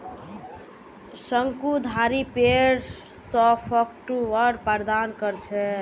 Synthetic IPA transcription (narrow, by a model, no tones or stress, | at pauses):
səŋkud̪ʱaɾipeɾ | sɔpʰɔk̚ʈuəɾpəɾd̪ankəɾt͡ʃʰɛ